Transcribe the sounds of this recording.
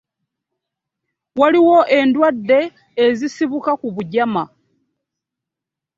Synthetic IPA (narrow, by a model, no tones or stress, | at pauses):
waliwo̞ʔe̞ndwadːe̞ː | zisiβukakuβuɟama